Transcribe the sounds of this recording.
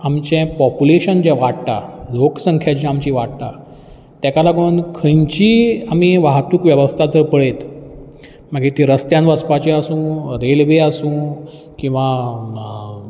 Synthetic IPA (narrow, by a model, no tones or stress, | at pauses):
amt͡ɕɛ̃pɔpjuleɕənd͡ʑɛ̃ʋaɽʈ̪aloksəŋkʰjat͡ɕiamt͡ɕiːʋaʈʈ̪a | t̪ɛkalaɡonkʰə̃jɲt͡ɕiːamiʋaɦt̪uːkʋjəʋəst̪ʰad͡zəɾpəɭet̪ | m̤əɡet̪iɾəst̪jãnʋəspat͡ɕiasũːɾelʋeasũ | kĩw̃ʋa